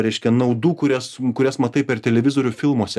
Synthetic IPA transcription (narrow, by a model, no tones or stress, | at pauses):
ɾʲɛɪʃʲkʲɛnɐʊd̪uːkʊɾʲɛskʊɾʲɛsmɐt̪ɐɪpʲɛrt̪ʲɛlʲɛʋʲɪzoːɾʲʊfʲɪlˠmuɔsʲɛ